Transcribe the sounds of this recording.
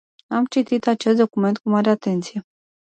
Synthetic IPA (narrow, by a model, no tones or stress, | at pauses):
amt͡ʃit̪it̪at͡ʃe̞st̪̚d̪o̞kume̞nt̪̚kumaɾeat̪e̞nt̪sije̞